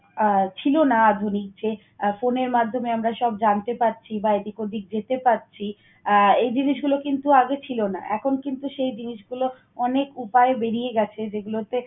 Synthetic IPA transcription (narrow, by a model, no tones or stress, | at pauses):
t͡ɕʰilonaad̪ʱunik̚d͡ʑe | foneɾmad̪ʱːomeamɾaʃɔbd͡ʑant̪epatːt͡ɕʰibaed̪ikod̪ik̚d͡ʑet̪epatːt͡ɕʰi | ejd͡ʑiniʃɡulokint̪uaɡet͡ɕʰilona̰ʔɛkʰonkint̪uʃejd͡ʑiniʃɡulo | ɔnekupaebeɾijeɡɛt͡ɕʰed͡ʑeɡulot̪e